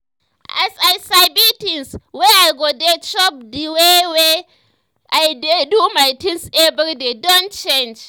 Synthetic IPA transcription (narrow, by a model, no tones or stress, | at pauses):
ʔasajsajbitinswɛajɡodet͡ʃɔp̚diwewe | ʔajdedumajtinsebəɾdedɔnt͡ʃend͡ʒ